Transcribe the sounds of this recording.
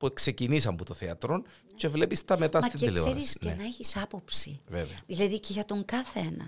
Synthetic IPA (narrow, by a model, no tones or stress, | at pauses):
pukse̞cinisɐmbut̪oθeɐt̪ɾo̞n | ce̞vle̞pist̪ɐmet̪ɐsmɐt̪iileseɾisnenɐeçisɐpo̞psiveveɐðilɐðiceʝɐt̪o̞ŋkɐθenɐ̰